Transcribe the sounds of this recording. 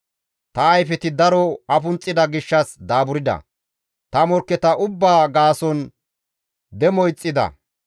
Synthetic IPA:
t̪ɐːjfɛt̪ɪd̪ɐɾɔɐfʊnt͡sʼːɪd̪ɐɡɪʃːɐsd̪aːbʊɾɪd̪ɐ̰ | t̪ɐmɔɾkːɛt̪ɐʔʊbːaːɡaːsɔn | d̪ɛmɔjt͡sʼːɪd̪ɐ̰

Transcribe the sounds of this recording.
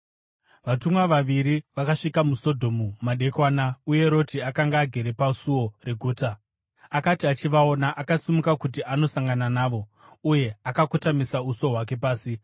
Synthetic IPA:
ʋatumwaʋaʋiɾiʋakaʂikamuso̞dʱo̞mumaɗe̞kwaːnauje̞ɾo̞tiakaŋɡaːɡʱe̞ɾe̞pasuo̞re̞ɡʱuːta | akatiat͡ʃiʋao̞naʔakasimukakutiʔano̞saŋɡananaːʋo̞ | uje̞akakutamisauso̞ɦwak̬e̞paːsi

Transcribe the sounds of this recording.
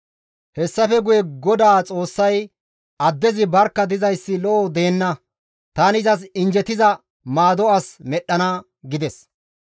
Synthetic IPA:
hɛsːɐfɛɡʊjɛɡɔd̪aːt͡sʼo̞ːsːɐj | ɐd̪ːɛzɪbɐɾkːɐd̪ɪzɐjsːɪlɔʔɔd̪eːnːɐ | t̪aːnɪzɐs̬ɪnd͡ʒɛt̪ɪzɐ | maːd̪ɔɐsmɛɗːɐnɐ | ɡɪd̪ɛs

